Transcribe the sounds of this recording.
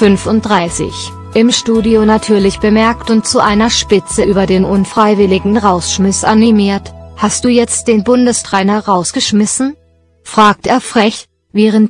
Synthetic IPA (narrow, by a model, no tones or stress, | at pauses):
fʏnfʊnt̚d̥ʁaɪsɪ̰ç | ʔɪmʃtuːdionatʰyːɐlɪçb̥əmɛɐktʊnt̚t͡suʔaɪnɐʃpɪt͡səʔyːbɐdeːnʔʊnfʁ̥aɪvɪlɪɡŋ̩ʁaʊsʃmɪsʔa̰nimiːɐthast̚d̥uːjɛt͡std̥eːnbʊndəstʁ̥ɛːnɐʁaʊsɡ̥əʃmɪsn̩ | fʁ̥aːk̚teːɐfʁ̥ɛç | vɛːʁənt